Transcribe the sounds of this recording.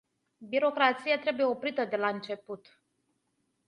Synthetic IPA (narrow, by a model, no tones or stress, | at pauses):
biɾo̞kɾat̪sijat̪ɾe̞buje̞o̞pɾit̪əd̪e̞laɨnt͡ʃe̞put̪